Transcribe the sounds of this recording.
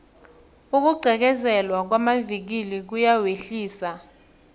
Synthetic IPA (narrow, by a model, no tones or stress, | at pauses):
uk̬uɡ͡ǀʱɛk̬ɛzɛlwak̬wamavik̬ilik̬ujaweɬiːsa